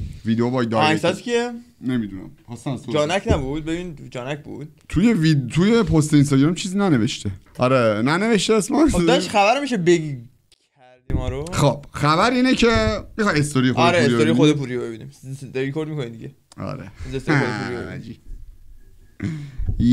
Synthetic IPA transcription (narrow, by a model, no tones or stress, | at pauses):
vid̪eobɒjd̪ɒæsæt̪kʰienemid̪unæ̰mhɒsæsod͡ʒɒːnækʰnæbud̪̚bebind͡ʒɒːnæcʰbṵd̪̥̚t̪ʰujevit̪ʰujepʰost̪eins̬t̪ɒɟɾɑmt͡ʃʰiːzinæneveʃt̪ʰe | ɒɾenæne̞veʃt̪eːsmɒd̪ɒʃxæbæɾmiʃebeɡi | kʰæɾd̪imɒːɾoxob̥xæbæɾiːnecʰemixɒjest̪oɾijexoeɾeesɾioɾijeiod̪ep̬ʰuːɾijobe̞binḭmeɾikʰoɾd̪mikʰonimd̪ḭɡɟe | ɒ̰ɾḛizest̪eoepuɾijæ̰d͡ʒi